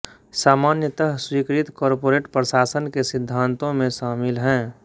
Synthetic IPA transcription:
saːmaːnjət̪əɦswiːkɾɪt̪kɔːɾpoːɾeːʈpɾəsaːsənkesɪd̪ʱːãːnt̪õmẽʃaːmɪlɦɛ̃ː

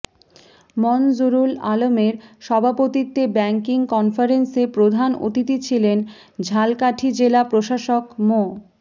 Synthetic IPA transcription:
mɔnd͡ʑuɾula̰lomeɾʃɔbʱapot̪it̪ːebɛŋkiŋkɔnfaɾensepɾod̪ʱano̰t̪it̪it͡ɕʰilen | d͡ʑʱalkaʈʰid͡ʑelapɾoʃaʃokmo

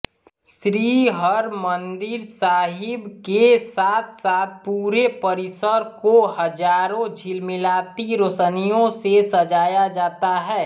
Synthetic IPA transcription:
sɾiɦəɾmə̃nd̪ɪɾsaːɦɪbkesaːt̪ʰsaːt̪̚ʰpuːɾepəɾɪsəɾkoɦəd͡ʒaːɾõd͡ʒʱilmɪlaːt̪iɾosənijõsesəd͡ʒaːjad͡ʒaːt̪aɦɛː

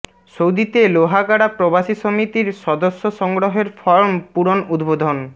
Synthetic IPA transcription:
sowd̪it̪eloɦaɡaɽapɾobaʃisomit̪iɾʃɔd̪osːoʃɔŋɡɾoɦeɾfɔɾmpuɾonud̪bod̪ʱon

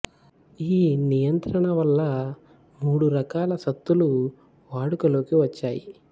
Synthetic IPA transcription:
iːnijɐnt̪ɾɐɳɐʋɐlːɐ | muːɽuɾɐkaːlɐsɐt̪ːulu | ʋaːɽukɐlo̞ːkiʋɐt͡ʃːaːji

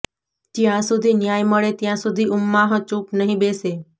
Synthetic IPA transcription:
d͡ʒjãsud̪ʱinjajməɭet̪jãsud̪ʱiumːaɦə̃t͡ʃupnəɦĩbese

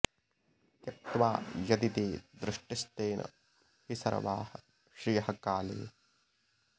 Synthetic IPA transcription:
k̪jɐt̪ʋaːjɐd̪it̪eːd̪ɾɪʂʈist̪eːnʔɐ̰ | hisɐ̰ɾɐ̰ʋaːhɐ | ʃɾijɐhɐkaːlḛː

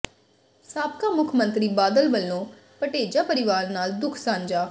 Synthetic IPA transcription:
saːp̚kaːmʊkʰmə̃nt̪ɾiːbaːd̪əlʋəlːõː | pəʈeːd͡ʒaːpəɾɪʋaːɾnaːld̪ʊkʰsãːɲd͡ʒaː

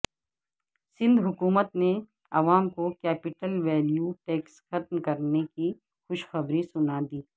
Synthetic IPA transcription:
sɪ̃nd̪ʱɦʊkuːmət̪ne | ɐʋaːmkokɛːpɪʈəlʋɛːljuʈeːksxɐt̪mkɐɾneki | xʊʃxɐbɾisʊnad̪iː

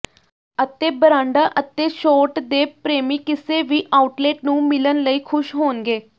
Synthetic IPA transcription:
ət̪eːbəɾãːɳɖaːʔət̪eːʃoːʈd̪eːpɾeːmiːkɪseːʋiːʔaːuʈleːʈnũːmɪlənləiːkʰʊʃɦoːnɡeː

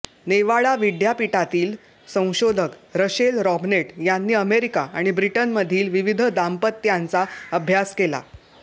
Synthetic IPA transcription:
neʋaɭaʋiɖjapiʈat̪iːl | sə̃w̃ɕod̪ʱəkɾəɕelɾɔbneʈjanːiːəmeɾikaaɽ̃ibɾiʈənməd̪ʱiːlʋiʋid̪ʱəd̪ampət̪ːjant͡saəbʱjaskela̰

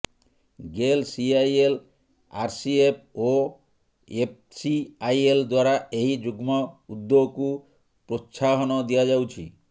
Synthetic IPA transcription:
ɡelsiajel | aɾsiep̚ʰo | ep̚ | siajeld̪waɾaeɦid͡ʒuɡmɔud̪ːoɡku | pɾot̪sʰaɦɔnɔd̪ijad͡ʒawt͡ʃʰḭ

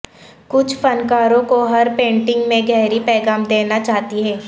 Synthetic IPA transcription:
kʊt͡ʃʰfɐnkaːɾõkoɦɐɾpẽːɳʈɪ̃ŋɡmẽɡɛɦɾipɛːɡaːmd̪eːnat͡ʃaːɦt̪iɦɛː

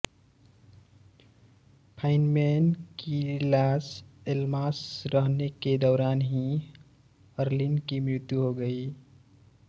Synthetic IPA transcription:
pʰaɪnmenkilaːselmasɾəɦneked̪ɔːɾanɦi | əɾlinkimɾɪt̪juɦoɡəi

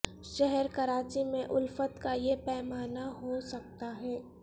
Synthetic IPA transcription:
ʃɛɦɛɾkɐɾaːt͡ʃimẽʔʊlfət̪kajepɛːmaːnaɦosɐk̚t̪aɦɛː

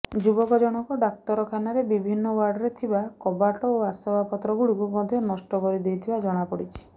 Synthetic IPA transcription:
d͡ʒubɔkɔd͡ʒɔɽ̃ɔkɔɖak̚t̪ɔɾɔkʰanaɾebibʱinːɔwaɾɖɔɾet̪ʰibakɔbaʈɔoasɔbʱapɔt̪ɾɔɡuɽikukɔd̪ʱjɔnɔsʈɔkɔɾid̪ijt̪ʰibad͡ʒɔɽ̃apɔɽit͡ʃʰi̥

